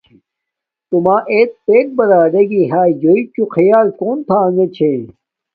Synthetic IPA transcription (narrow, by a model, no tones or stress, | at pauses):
t̪umaːʔeːt̪̚peːk̚bɐɾaːɖɐɡiɦaːjoikuxʰɐjaːlkoːnt̪ʰaːŋɡet͡ɕʰe